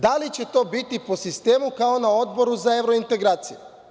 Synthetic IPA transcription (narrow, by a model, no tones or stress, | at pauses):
d̪alit͡ɕe̞t̪o̞ːbit̪ipo̞sist̪e̞ːmukao̞nao̞d̪bo̞ɾuzaeʋɾo̞int̪e̞ɡɾaːt̪siju